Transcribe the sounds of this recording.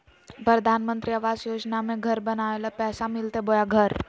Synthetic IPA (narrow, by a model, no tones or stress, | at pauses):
pɾəd̪ʱanmənt̪ɾiəʋasjod͡ʑnamẽɡʱəɾbənaʋeləpɛsamilt̪ebojaɡʱəɾ